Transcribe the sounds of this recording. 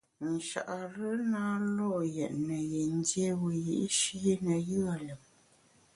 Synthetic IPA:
n̩˨ʃa̰˨ʔa˨ɾə˦naː˦lɔ˦˨jɛ̰˨ʔnə˨je˨n˦dje˦wə˨ji˦ʔi˦ʃi˦i˦nə˨jɯ˦a˨lə˨m̚

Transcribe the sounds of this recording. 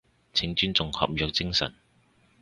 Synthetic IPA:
t͡sʰɪ˨˥ŋt͡ʃyː˥nt͡sʊ˨ŋhɐ̰˨p̚jœː˨k̚t͡sɪ˥ŋsɐ̰˨˩n

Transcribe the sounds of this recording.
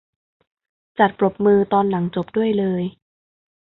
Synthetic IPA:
t͡ɕa˨˩t̪̚pɾo˨˩p̚mɯː˧t̪ɔː˧nla˩˦ŋt͡ɕo˨˩p̚du˥˩əjlɤː˧j

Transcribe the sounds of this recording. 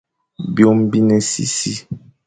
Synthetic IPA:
bjo˦m˦bi˦nɛ˦sḭ˦si˦

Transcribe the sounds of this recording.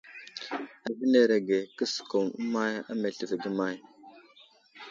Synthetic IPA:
a˨vi˦ne˨ɾe˨ɡe˨kə˦sko˨mu˦ma˦ja̰˦me˨ɬə˨vɡə˦ma˦j

